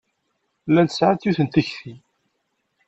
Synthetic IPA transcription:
lːænt̪ə̥sʕaθjuθənt̪əçθi

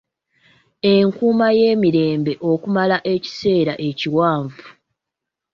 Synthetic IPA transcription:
e̞ŋkuːmaje̞ːmiɾe̞ːmbe̞ʔo̞kumalaʔe̞ci̥se̞ːɾaʔe̞ciwaːɱvu

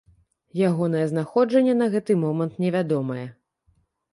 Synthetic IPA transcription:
jaɣɔnɐjɛznaxɔd͡ʐɐnʲːɛn̪ɐɣɛt̪ɨmɔmɐnt̪nʲɛvʲad̪ɔmɐjɛ

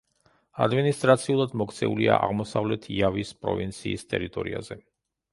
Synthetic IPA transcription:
ad̪minist̪ʼɾat̪sʰiulˠad̪mɔkʰt̪sʰɛulia̰ʔaʁmɔsavlɛt̪ʰiavispʼɾɔ̰vint̪sʰiːst̪ʼɛɾit̪ʼɔɾiazɛ

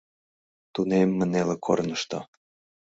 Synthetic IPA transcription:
t̪unemːə̆nelĕkʰo̰rnɤʃt̪o̰

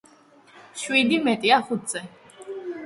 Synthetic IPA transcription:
ʃwid̪imɛt̪ʼiaχut̪ʰz̥ɛ

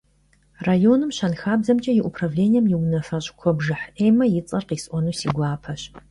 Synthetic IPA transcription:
rajonɨmɕɐnxaːbzɐmt͡ʃʼɐjɪʔupʰravleːnʲijɛmjɪwnɐfɐɕʼkʷʰɔbʒɨħʔejmɐjɪt͡sʼɐrqiːsʔʷɔnuːsiːɡʷaːpʰɐɕ

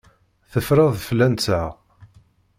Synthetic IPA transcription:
θəfɾɑðˤflænt͡sa

